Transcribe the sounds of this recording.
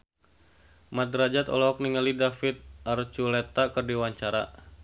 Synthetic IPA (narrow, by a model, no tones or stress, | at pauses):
mat̪ɾad͡ʒat̪ɔ̰lɔɔk̚niŋalidafit̪̚art͡ʃulɛt̪akɨrdiwaɲt͡ʃaɾa̰